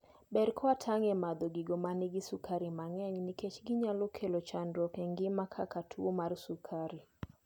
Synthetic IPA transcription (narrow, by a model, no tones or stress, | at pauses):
bɛɾkʰɔatʰaŋɛmad̪oɡɪɡomanɪɡɪsukʰaɾimaŋɛɲniket͡ʃɡɪɲalɔkʰelot͡ʃandɔkɛŋɡɪmakʰakatʰuomarsukʰaɾi